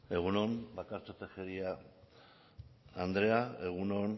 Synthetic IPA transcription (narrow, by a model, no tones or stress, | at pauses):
e̞ɣ̞uno̞nbakaɾt͡sot̪exeɾia | and̪ɾe̞ae̞ɣ̞unon